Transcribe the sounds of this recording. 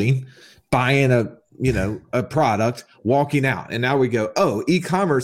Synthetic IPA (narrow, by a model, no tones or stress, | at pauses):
ĩ | b̥aɪɪ̃ŋɨ | jɨnoʊɨpʰɹ̥ɑɾək̚t̚ | wɔkɪ̃ŋaʊtɨ̰̃nːaʊwiɡoʊʔoʊʔikʰɑmə˞s